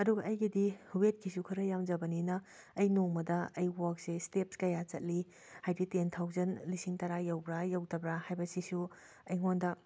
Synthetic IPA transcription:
ɐduɡɐʔɐjɡidihuwet̚kʰisukʰɯɾɐjamd͡ʒɐbɐninɐː | jnoŋmɐdɐɐjwok̚sestepskɐjat͡ʃɐt̚li | hajditentʰawzɐnlisiŋtɐɾajɐwbɾajɐwtɐbɾahajbɐsisu | ɐjŋondɐ

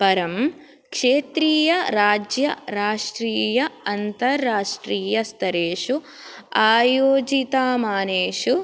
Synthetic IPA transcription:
pɐɾɐm | kʂeːt̪ɾiːjɐɾaːd͡ʒjɐɾaːʂʈɾiːjɐɐnt̪ɐɾːaːʂʈɾiːjɐst̪ɐɾeːʂu | aːjoːd͡ʒit̪aːmaːneːʂu

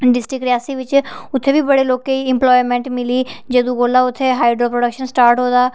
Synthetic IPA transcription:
ɖɪsʈɪkɾɪjaːsiːʋɪt͡ʃʊt̪ʰːeːbiːbəɽeːloːkeiɪmplɔːimɛ̃ːɳʈmɪliːd͡ʒed̪ũɡoːlaːʊt̪ʰːeːɦaːɪɖɾoːpɾoɖəkʃənsʈaːɾʈɦoːd̪aː

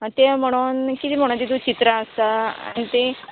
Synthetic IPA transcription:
t̪em̤əɽ̃unkit̪im̤əɽ̃ũnt̪et̪ut͡ɕit̪ɾaəst̪aa̰ɽ̃it̪ẽ

